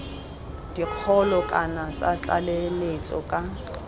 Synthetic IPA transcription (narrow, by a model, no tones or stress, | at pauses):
d̥iq͡χʰɔlɔkʼanat͡sʼat͡ɬʼa̰lemet͡sʼɔ̰kʼa